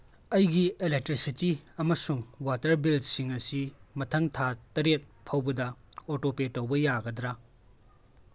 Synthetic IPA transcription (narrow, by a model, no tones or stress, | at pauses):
ɐjɡielek̚tɾisitiɐmɐsuŋwatɐɾbildsiŋɐsimɐtʰɐŋtʰatɐɾet̚pʰɐwbɐdɐotopetːɐwbɐjaɡɐdɾa